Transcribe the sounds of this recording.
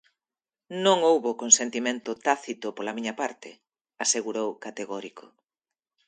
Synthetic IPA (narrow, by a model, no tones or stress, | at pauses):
nõŋowβokonsent̪imẽnt̪ʊt̪aθit̪ʊpolamiɲɐpaɾt̪ʰɪ | aseɣuɾowkat̪eɣɔɾikʰʊ̥